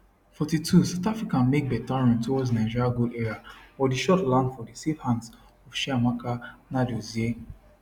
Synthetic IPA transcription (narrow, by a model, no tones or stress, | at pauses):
fɔtitʰusaʊtafɹikãnmek̚bɛtanɔ̃ntʰowɔdnaɪ̃d͡ʒiɹjaɡoʔɛɹafɔdiʃɔtlãndfɔdisefhãnds | ɔfʃiamakanadozie